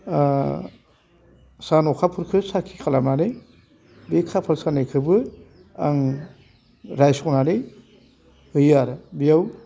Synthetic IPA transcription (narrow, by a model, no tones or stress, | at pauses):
sanɔkʰapʰuɾkʰɯsakʰikʰalamnanɯ | bekʰapʰɯɾsanejkʰɯbɯ | a̰ŋ | ɾajsɔnanɯ | hɯjaɾbijaw